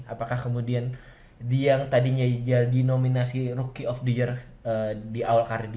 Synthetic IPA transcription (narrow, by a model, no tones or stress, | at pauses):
a̰pakahkəmudian | diaŋt̪adiɲad͡ʒaldinominasirukiɔfdiər | ədiʔawalkaɾdi